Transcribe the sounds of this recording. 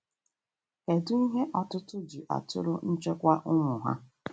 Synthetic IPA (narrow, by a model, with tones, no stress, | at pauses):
ke˨dʊ˦i˦ɦe˦ʔɔ˨tʊ˦tʊ˦d͡ʒu˨ʔa̰˨tʊ̰˦ɾʊ˦n̩˦t͡ʃe˦kʷa˦ʔʊ˦ŋʷʊ˨ɦa̰˦